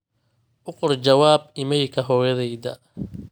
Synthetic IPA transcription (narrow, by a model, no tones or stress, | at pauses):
ʔʊqʊrt͡ʃɐwaːbɪmɛjkʰɐɦɔːjɐðɛjd̪ɐ̰